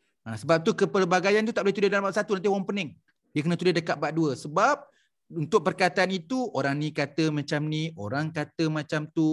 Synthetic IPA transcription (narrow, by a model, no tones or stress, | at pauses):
asəbap̚t̪ukəpəlbaɡajant̪ut̪aʔ̚boleht̪udehdalabaʔ̚sat̪unant̪iwaŋpənɛŋ | diəkənə̃t̪udɪhdəkat̪ʔ̪̚baʔ̚duəsəbap̚ | unt̪ʊk̚pərkat̪aanit̪uʔoɾaŋnikat̪əmãt͡ʃamniʔoɾaŋkat̪əmãt͡ʃamt̪u